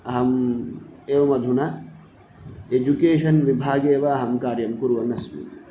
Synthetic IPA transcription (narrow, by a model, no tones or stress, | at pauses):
ɐɦɐm | eːʋɐmɐd̪ʱuna | ed͡ʒukeːʃɐnʋibʱaːɡeːʋɐːɦɐmkaːɾjɐmkuɾuʋɐnɐsmḭ